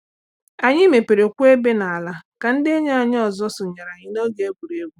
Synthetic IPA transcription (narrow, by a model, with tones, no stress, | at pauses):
a˨ɲɪ˦me˨pe˨ɾe˨kʷu˦e˦be˦na˨a˨la˦ka˨n̩˦dɪ˦e˦ɲe˦a˨ɲ˦ɔ˨zɔ˦sʊ˨ɲa˨ɾa˨ɲɪ˦no˦ɡe˨e˦ɡʷu˨ɾe˦ɡʷu˦